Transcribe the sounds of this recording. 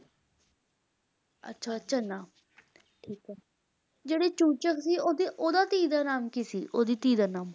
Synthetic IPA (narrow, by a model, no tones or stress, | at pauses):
ə̰tːʃʰaːətːʃʰaːnaː | ʈʰiːkɛː | d͡ʒeːɽeːt͡ʃuːt͡ʃəksiːoːd̪iːʔoːd̪aːt̪iːd̪aːnaːmkisḭːʔoːd̪iːt̪iːd̪aːnaːm